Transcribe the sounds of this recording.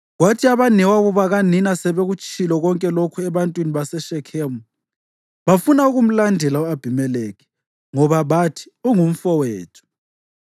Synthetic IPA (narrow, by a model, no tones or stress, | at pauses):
ɣwatʰiaβanɛwaɣuβaɣaninasɛβeɣut͡ʃʰʼilɔɣɔŋkʼɛlokʰuɛβantʼwiniβasɛʃɛkʰemu | βafunauɣum̩landʱɛlaab̥ʱimɛlɛɣɛ̥ | ŋɔβaβatʰi̥uŋum̩fɔwɛːtʰu̥